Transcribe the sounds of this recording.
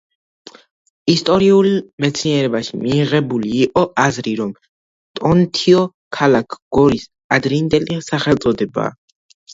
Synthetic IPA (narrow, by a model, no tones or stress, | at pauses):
ist̪ʼɔɾiulmɛt̪sʰniɛɾɛbaʃimiːʁɛbuliːqʼɔazɾiɾɔm | t̪ʼɔnt̪ʰiɔ | kʰalakʰɡ̥ɔɾis | ad̪ɾind̪ɛlisaχɛlt̪sʼɔd̪ɛba̰ː